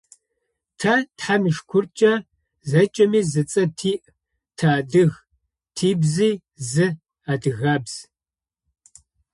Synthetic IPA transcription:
tʰɐtħamɨʂkʷʰʊrt͡ʃʼɐ | zɐt͡ʃʼɐmiːzɨt͡sʼɐtʰiːʔ | tʰaːdɨɣ | tʰiːbziː | zɨ | aːdɨɣaːbz̥

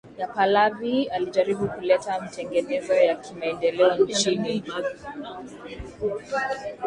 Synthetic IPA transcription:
japalavialiʄaɾiɓukulɛtamatɛŋɡɛnɛzɔjakimaɛndɛlɛɔnt͡ʃinimaiana

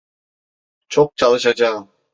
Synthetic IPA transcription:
t͡ʃʰok̚t͡ʃʰalˠɯʃad͡ʒaːɯm

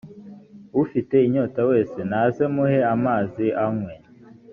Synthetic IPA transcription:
ufite̞iɲoːtawe̞ːse̞naze̞muhe̞amaːziʔamwe̞

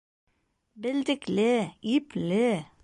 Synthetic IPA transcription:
bɛld̪əkleːyːple

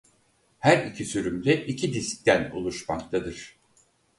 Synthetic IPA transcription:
hæɾicʰisyɾymd̪ɛʔicʰid̪isc̚t̪ænṵlˠuʃmakt̪ʰad̪ɯɾ̥

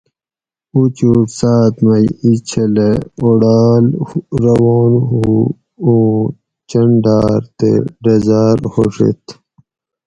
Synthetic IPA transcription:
ut͡ɕuksaːt̪mɐjit͡ɕʰɐleoɽaːlɾɐwoːnu | uː | t͡ɕɐɳɖaːɾt̪ḛɖɐzaːɾhoʂḛt̪

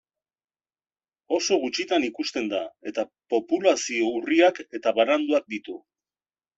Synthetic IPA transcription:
o̞so̞ɣ̞ut͡ʃit̪anikust̪e̞nd̪ae̞t̪apo̞pulasio̞uriake̞t̪aβaɾand̪uak̚d̪it̪u

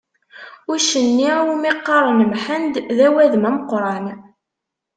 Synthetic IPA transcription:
ʊɾʃənːiumiqːɑɾˤənəmħənd̪ðæwæðmæməqɾˤɑn

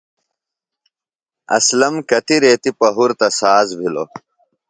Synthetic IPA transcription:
ɐ̰slɐmkɐt̪iɾeːt̪ipɐɦuɾt̪ɐsaːzbʱilo̰

